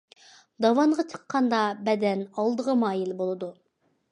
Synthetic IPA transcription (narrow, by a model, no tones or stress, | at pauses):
d̪ɑwɑɴʁɑt͡ʃʰə̥qʰːɑnd̪ɑbɛd̪ɛnɑlˠd̪əʁəmɑːjilbolˠɨd̪u